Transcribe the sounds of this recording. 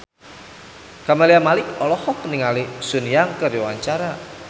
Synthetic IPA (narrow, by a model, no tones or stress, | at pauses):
kamaliamalɪkɔlɔhɔkəniŋalisunijaŋkərjɔwaɲt͡ʃaɾa